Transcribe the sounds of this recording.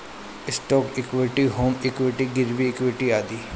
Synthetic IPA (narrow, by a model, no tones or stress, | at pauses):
ɪsʈoːkɪkwɪʈiːɦoːmɪkwɪʈiːɡɪɾʋiɪkʋɪʈiːaːd̪iː